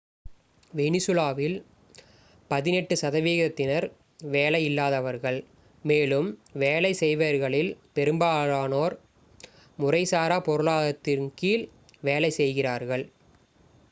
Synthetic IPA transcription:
ʋɛnɪsɯlaːʋɪl | pɐðɪnɛʈːɯsɐðɐʋiːɣɐt̪ːɪnɐɾ | ʋeːlɐjɪlːaːðɐʋɐɾɣɐɭ | meːlɯmʋeːlɐɪsɛjʋɐɾɣɐɭɪlpɛɾɯmbaːɻaːnoːɾ | mʊrɐɪsaːɾaːpɔɾɯɭaːðɐt̪ːɪɾkiːl | ʋeːlɐɪsɛjɣɪraːɾɣɐɭ

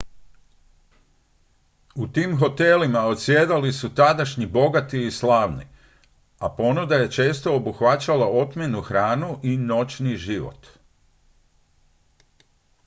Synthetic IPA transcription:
ut̪iːmɦo̞t̪e̞limao̞t̪sjed̪alisut̪ad̪aʃɲibo̞ɡat̪iːslaːʋnḭ | apo̞nud̪aje̞t͡ʃe̞ːst̪o̞ːbuxʋat͡ɕalao̞t̪mʲjenuxɾaːnuʔino̞t͡ɕniʒiʋo̰t̪

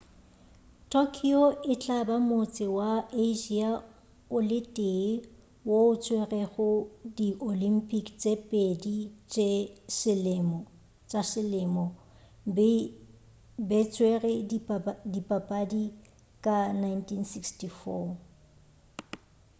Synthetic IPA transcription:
tʰokʰioɪt͡ɬʼabamot͡sʼɪwaeʒia | ʊlɪtʼe | woʊt͡sʰʼwerɛɣʊdiʔolim̩pʼikt͡sʼepʼedit͡ʃʼesɪlɪmɔ | t͡sʼasɪlɪmɔ | bɛt͡sʰʼwerɛ | dipʼapʼadi | kʼanajntʰinsikstifɔ

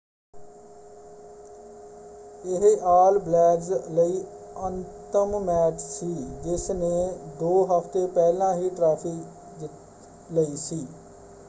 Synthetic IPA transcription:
ɪɦʔaːlblɛːɖzləiːənt̪əmmɛːʈʰsiːd͡ʒɪsneːd̪oːɦəpʰt̪eːpɛːlãːɦiːʈɾaːpʰiː | d̪ɪ | ləiːsiː

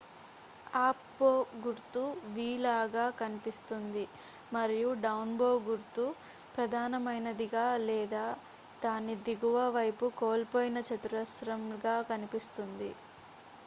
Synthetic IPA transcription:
aːpboːɡuɾt̪uʋiːlaːɡaːkɐnipist̪und̪i | mɐɾijuɖɐwnboːɡuɾt̪u | pɾɐd̪ʱaːnɐmɐjnɐd̪iɡaːlɛːd̪aː | t̪aːnid̪iɡuʋɐʋɐjpukoːlpoːjinɐt͡ʃɐt̪uɾɐsɾɐmɡaːkɐnipist̪und̪i

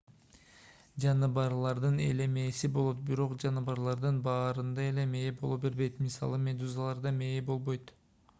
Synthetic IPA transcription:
d͡ʒɑnɯbɑɾlˠɑɾd̪ɯne̞̰le̞me̞ːsibo̞lˠo̞t̪̚biɾo̞qd͡ʒɑnɯbɑɾlˠɑɾd̪ɯnbɑːɾɯnd̪ɑe̞le̞me̞ːbo̞lˠopbe̞ɾbe̞jt̪misɑ̰lˠɯmʲed̪uzalˠɑɾd̪ɑme̞ːbo̞lˠβo̞jt̪

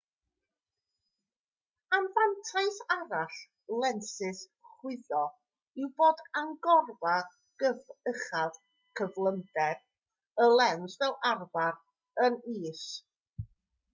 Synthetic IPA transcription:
anvantʰaɨsaɾaɬ | lˠɛnsɪs | χwɪðɔ | ɪwboːdaŋɡɔrva | ɡ̥əvəχað | kʰəvlˠəndɛr | əlˠɛnsvɛlˠʔarvar | əniːs

